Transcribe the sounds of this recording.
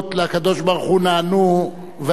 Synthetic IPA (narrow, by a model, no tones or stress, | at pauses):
t̪leakad̪o̞ʃbaʁuχunaːnu | ve